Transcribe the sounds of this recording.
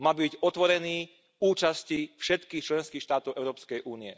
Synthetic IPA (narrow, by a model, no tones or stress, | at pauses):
mabiicɔt̪ʋɔɾɛniː | uːt͡ʃascifʃɛt̪kiːxt͡ʃlɛnskiːxʃt̪aːt̪ɔʊʔɛʊɾɔːpskɛjʔuːniɛ